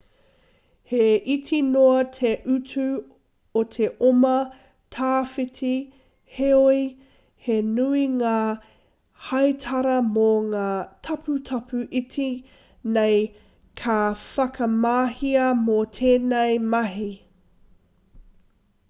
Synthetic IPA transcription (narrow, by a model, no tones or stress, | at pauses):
heitʰinoɐtʰeʔʉtʰʉ | otʰe̞ʔomɐ | tʰaːfitʰi | heoi | henuiŋaː | hɐjtʰɐɾɐmoŋaːtʰɐpʰutʰɐpʰʉʔitʰi | nej | kʰafɐkʰɐmaːhiɐmotʰeːnejmɐɦi